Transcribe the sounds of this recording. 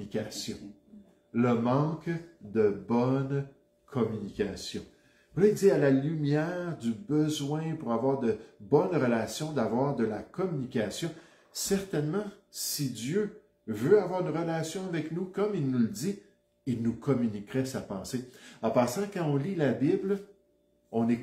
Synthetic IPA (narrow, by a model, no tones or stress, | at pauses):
ikʲasjɔ̃ | ləmɑ̃kd̪əbɔn | kʰɔmynikʲasjɔ̰̃ | ulɛziʁalalymjɛʁd̪ybəzwɛ̃puʁavwaːʁd̪əbɔnʁəlasjɔ̃d̪avwaːʁd̪əlakɔmynikʲasjɔ̃ | sɛʁt̪ɛnmɑ̃sid͡z̪jø | vøavwaːʁynʁəlasjɔ̃avɛknukɔmilnuləd̪i | ilnukʰɔmynikʁɛsapɑ̃seɑ̃pɑ̃ːsɑ̃kɑ̃ɔ̃lilabibl | ɔ̃nɛ